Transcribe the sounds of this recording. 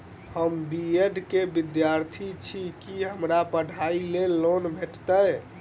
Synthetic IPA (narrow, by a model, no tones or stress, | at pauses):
həmbieɖkebid̪jaɾt̪ʰit͡ʃʰikiɦəmɾapəɽ̤ʱailelːonbʱeʈt̪əj